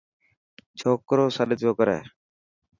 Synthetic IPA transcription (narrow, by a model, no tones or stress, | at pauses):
t͡ʃʰoːkːɾoːsalɪt̪oːkɔɾɛ̰ː